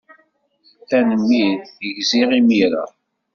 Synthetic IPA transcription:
θænəmːiðəʝziʁimiɾa̰

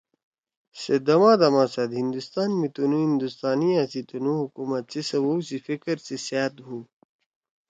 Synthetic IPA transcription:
sed̪ɐmãːd̪ɐmãːsɐd̪ɦind̪ust̪aːnmit̪unũːɦĩnd̪ust̪aːnijãsit̪unuɦukumɐt̪sesɐwowsifikɾsesaːt̪ɦuː

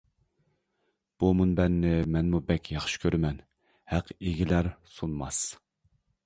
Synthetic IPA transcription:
b̥umunbɛnːɪmɛnmubɛkʲjɑχʃɪ̥kʲʰøɾmɛn | hæqeɡʲilæɾsunmɑ̰s

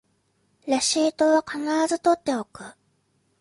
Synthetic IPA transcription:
ɾaɕiːt̪o̞ːβakanaɾazɨt̪o̞t̪ːe̞o̞kɯ̟

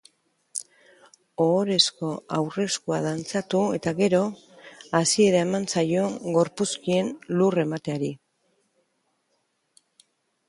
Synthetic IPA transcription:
oːɾe̞sko̞awre̞skuaðant͡sat̪ue̞t̪aɣe̞ɾo̞ | asie̞ɾae̞mant͡sajo̞ɡo̞ɾpuskie̞nlure̞mat̪e̞aɾi

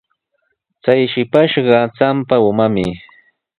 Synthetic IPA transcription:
t͡sajʃɪpaʃɢɑt͡sampaʊmamɪ̰

